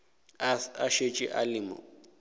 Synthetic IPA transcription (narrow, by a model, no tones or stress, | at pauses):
aʃet͡ʃʼɪʔalɪːmɔ̰